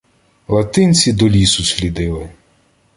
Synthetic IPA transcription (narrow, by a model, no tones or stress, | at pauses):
lˠɐt̪ɪnʲt͡sʲid̪ɔlʲisʊsʲlʲid̪ɪlˠɪ